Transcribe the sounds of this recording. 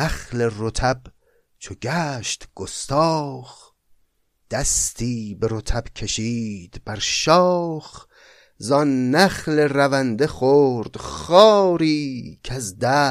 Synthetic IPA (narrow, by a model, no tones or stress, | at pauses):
æχleɾot̪ʰæb | t͡ʃʰoɡæʃt̪ɡ̥ost̪ʰɒːχ | d̪̥æst̪ʰiːbeɾot̪ʰæb̥kʲʰeʃiːd̪̥b̥æɾʃɒːχ | zɒnːæχleɾævænd̪e̞χoːɾd̪̥χɒːɾiːkʰæzd̪æ